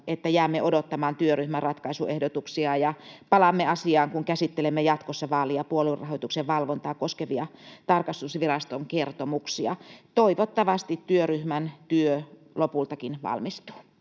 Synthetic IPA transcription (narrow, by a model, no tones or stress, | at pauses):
et̪ːæjæːmːeʔodot̪ːɑmɑːnt̪yøryhmærrɑt̪kɑisuehdot̪uksiɑjɑpɑlɑmːeɑsiɑːŋkuŋkæsit̪ːelemːejɑt̪kosːɑʋɑːliɑpuolurːɑhojt̪ukseʋʋɑlʋont̪ɑːkoskeʋiɑt̪ɑrkɑst̪usʋirɑst̪oŋkert̪omuksiɑ̰t̪oiʋot̪ːɑʋɑst̪it̪tyøryhmænt̪yø | lopult̪ɑkinʋɑ̰lmist̪u̥ː